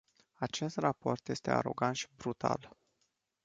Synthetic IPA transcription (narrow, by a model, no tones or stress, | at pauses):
at͡ʃe̞st̪rapo̞rt̪je̞st̪e̞a̰ɾo̞̰ɡant̪ʃi̥bɾut̪a̰l